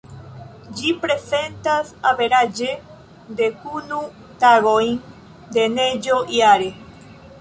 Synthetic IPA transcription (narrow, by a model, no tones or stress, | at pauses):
d͡ʒipɾesent̪asaβeɾad͡ʒe | d̪ekunu | t̪aɣojn | d̪ened͡ʒoʔiaɾe